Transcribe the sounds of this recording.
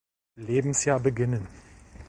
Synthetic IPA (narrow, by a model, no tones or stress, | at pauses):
leːbm̩sjaːɐbəɡɪnən